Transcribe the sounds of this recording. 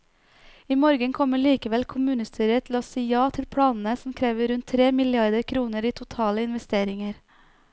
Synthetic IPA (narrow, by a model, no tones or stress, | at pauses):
iːmɔɾɡənkʰɔməɭiːkəʋɛlkʰʊmʉːnəst̪ʰyːɾət̪ʰl̩oːsiːjɑːt̪ʰɪlpʰɽɑːnn̩əsm̩kʰɾeːʋəɾʉnt̪ʰːɾeːmɪlɪɑɾd̪əɾkʰɾuːnəɾiːt̪ʰʊt̪ʰɑːləɪnʋɛst̪eːɾɪŋəɾ